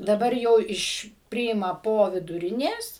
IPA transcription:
dɐˈbɐr jɛʊ ˈɪʃ ˈpʲrʲɪɪmɐ ˈpoː ʋʲɪdʊˈrʲɪnʲeːs

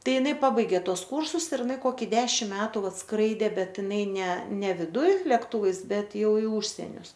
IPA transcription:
ˈtɐɪ ˈɪnɐɪ ˈpɑːbɐɪɡʲeː ˈtuɔs ˈkuːrsʊs ɪr ɪˈnɐɪ ˈkoːkʲɪ ˈdʲæːʃʲɪm ˈmʲæːtʊ ˈʋɐt ˈskrɐɪdʲeː ˈbʲɛt ɪˈnɐɪ nʲɛ nʲɛ ʋʲɪˈdʊj lʲɛkˈtuːʋɐɪs ˈbʲɛt ˈjɛʊ ɪ ˈuːʃʲsʲɛnʲʊs

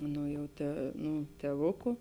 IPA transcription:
ˈnʊ jɛʊ ˈtɐ ˈnʊ tʲeːˈʋʊkʊ

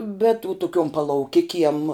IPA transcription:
bʲɛt ʊ tʊˈkʲoːm pɐlˠɐʊˈkʲɪkʲiɛm

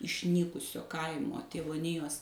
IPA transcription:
ɪʃʲˈnʲiːkʊsʲoː ˈkɐɪmoː tʲeːʋoːˈnʲɪjoːs

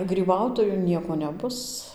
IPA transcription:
ɡrʲiːˈbɐʊtoːjʊ ˈnʲiɛkoː ˈnʲæːbʊs

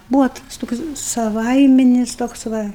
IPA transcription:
ˈbuːʋɐ tɐs ˈtoːks sɐˈʋɐɪmʲɪnʲɪs ˈtoːks ˈʋɐ

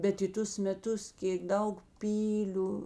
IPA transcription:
bʲɛt ɪ ˈtʊs mʲɛˈtʊs ˈkʲeːk ˈdɐʊk ˈpʲiːlʲʊ

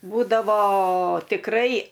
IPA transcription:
ˈbuːdɐʋoː tʲɪkˈrɐɪ

